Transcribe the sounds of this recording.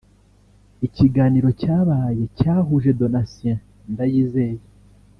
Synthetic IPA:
iciɡaːniɾo̞caːβaːje̞caːɦuʒe̞do̞nasiã | ndajiːze̞je

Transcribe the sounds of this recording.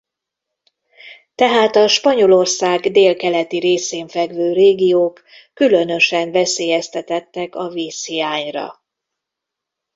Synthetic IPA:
t̪ɛɦaːt̪ɒʃpɒɲo̞lo̞rsaːɡd̪eːlkɛlɛt̪iɾeːseːɱfɛɡvøːreːɡijoːkː | ylø̞nø̞ʃɛɱvɛseːjɛst̪ɛt̪ɛt̪ːɛkɒviːshijaːɲrɒ̰

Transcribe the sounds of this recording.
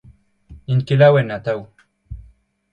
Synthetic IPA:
iŋkilawenat̪aw

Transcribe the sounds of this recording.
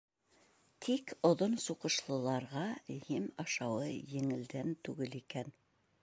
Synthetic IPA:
t̪ʰikŏðonsuqɤ̆ʃlˠɤ̆lˠɑɾʁɑhimɑʃɑwɤjɘ̆ŋɘ̆ld̪ænt̪ʉɡɘlikæn

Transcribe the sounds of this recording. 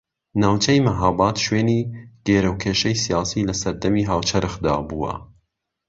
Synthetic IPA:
naːwt͡ʃʰɛjmaɦaːbɑːt̪ʃweːniːɡ̥eːɾɐwkʰeːʃɛjsijɑːsiːlɐsɐɾd̪ɐmiːɦaːwt͡ʃʰɐɾʔɨxd̪a̰ːbuwɐ̰

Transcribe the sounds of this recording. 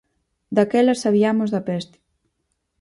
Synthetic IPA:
d̪akɛlɐsaβiamozðɐpɛst̪ɪ̥

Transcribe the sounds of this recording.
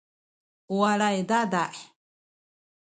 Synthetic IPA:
uaɺaed̪ad̪aʔe

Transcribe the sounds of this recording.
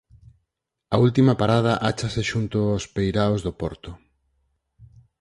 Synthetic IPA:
ɐult̪imɐpaɾað̞aʔat͡ʃaseʃunt̪oospejɾaozðopɔ̰ɾt̪o

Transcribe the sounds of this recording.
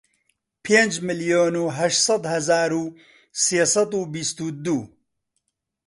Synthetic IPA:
pʰeːnd͡ʒmɨljoːnuːɦɐʃt̪sˤɐd̪hɐzaːɾuː | seːsɐd̪uːbist̪uːd̪uː

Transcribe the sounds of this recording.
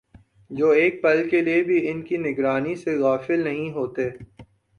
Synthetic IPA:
d͡ʒoːeːk̚pɐlkeliebʱiɪnkinɪɡɾaːniseɣaːfɪlnɐɦĩɦoːt̪eː

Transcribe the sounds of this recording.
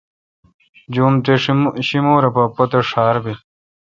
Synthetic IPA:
d͡ʑuːmt̪eɕimoːɾɐpɐpɐt̪eʂaːɾbi

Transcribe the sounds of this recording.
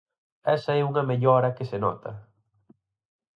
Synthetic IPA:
ɛsɐɛuŋɐmeʎɔɾɐkɪsenɔ̰t̪ʰɐ̰

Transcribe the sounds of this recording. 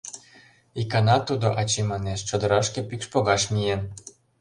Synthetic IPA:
ikɑnɑt̪ud̪oʔɑt͡ɕemɑneʃt͡ɕod̪ɤ̆ɾɑʃkĕpikʃpoɣɑʃmien

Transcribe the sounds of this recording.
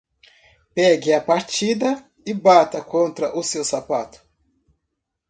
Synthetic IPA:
pɛɡɪɐpaɾt͡ʃid̪ɐ | ɪbat̪ɐkõnt̪ɾɐʔʊsewsapat̪ʊ̥

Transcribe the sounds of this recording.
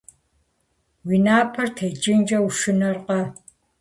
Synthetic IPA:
wiːnaːpʰɐrtʰed͡ʒʼɪnd͡ʒʼɐwuʃɨnɐrqɐ

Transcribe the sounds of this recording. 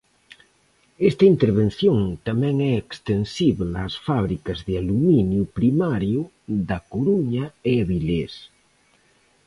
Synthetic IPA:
est̪ɐint̪eɾβ̞ẽn̟θjoŋt̪amɛ̃ŋɛekst̪ensiβlasfaβ̞ɾikɐzðealuminjupɾimaɾju | ðɐkoɾuɲaeaβiʎes

